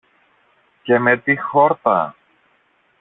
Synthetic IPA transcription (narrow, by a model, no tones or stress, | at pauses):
ce̞me̞t̪ixo̞ɾt̪ɐ̰